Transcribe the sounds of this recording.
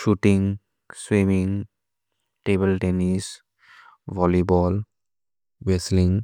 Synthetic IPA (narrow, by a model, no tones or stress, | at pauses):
ʃuʈĩŋ | swimĩŋ | ʈeːbəlʈenis | ʋɔlibɔːl | ʋeslĩŋ